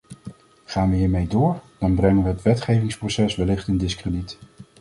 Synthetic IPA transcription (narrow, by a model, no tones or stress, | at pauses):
χaːnʋəɦiːɹmejdʊːɹd̥ɑnbrɛŋənʋəɦətʋɛtχejvɪŋsprosɛsʋɛlɪχtɪndɪskrədit